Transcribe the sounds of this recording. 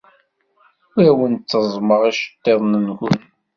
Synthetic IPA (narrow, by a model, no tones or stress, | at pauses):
ʊɾæwənt͡sːəzˤməʁiʃə̥t̪ˤːeðˤnənxʊn